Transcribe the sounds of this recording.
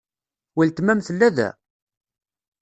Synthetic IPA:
wilt̪mæmθəlːæðæ̰

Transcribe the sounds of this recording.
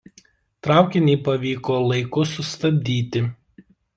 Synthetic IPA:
t̪ɾɑˑʊkʲɪnʲɛːpɐʋʲiːkoːlˠɐɪkʊsʊst̪ɐbʲd̪ʲiːt̪ʲɪ

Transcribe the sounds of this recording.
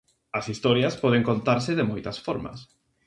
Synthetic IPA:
ɐsist̪ɔɾjɐspɔð̞eŋkont̪aɾsɪðemojt̪ɐsfɔɾmɐ̰s

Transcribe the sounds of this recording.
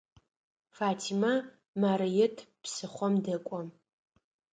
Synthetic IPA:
faːtʰima | maːɾɐjɛtʰpsɨχʷɔmdɐkʷʼɔ

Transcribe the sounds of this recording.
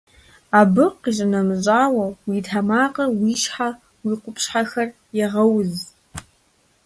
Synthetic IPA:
abɨqiʒʼɪnɐmʑʼaːwɐwitʰamaːqʼɐwiʃħa | wiqʷʊpʰʃħaxɐr | jɛʁɐwz

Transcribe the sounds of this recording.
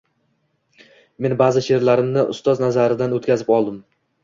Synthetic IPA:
me̞nbazɪʃe̞ɾlaɾɪmnɪʔʊ̰st̪ɒznazaɾɪd̪anot̪kʰʲazɪpɒlˠd̪ɪm

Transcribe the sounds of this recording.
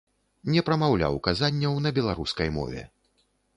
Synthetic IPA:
nʲɛpɾɐmawlʲa̰wkazanʲːɐwnɐbʲɛlˠaɾuskɐjmɔ̰vʲɛ̰

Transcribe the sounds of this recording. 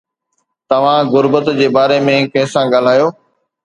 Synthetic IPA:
t̪ɐʋ̤ãɡʊɾbət̪d͡ʑeːbaːɾemẽkɐ̃ɦɪ̃sãɡaːl̤aːjoː

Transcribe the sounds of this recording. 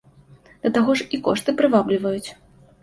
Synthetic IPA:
d̪̥ɐt̪aɣɔʂikɔ̰ʂt̪ɨpɾɨvablʲivɐjut͡sʲ

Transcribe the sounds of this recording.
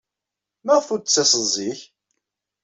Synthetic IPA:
məʁfuɾt͡sːæsˤəzˤiç

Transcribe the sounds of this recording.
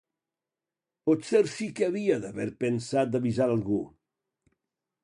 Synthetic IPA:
pɔt̪seɾsikeaβiaðaβɛɾpensat̪̚d̪aβizaɾalˠɣu

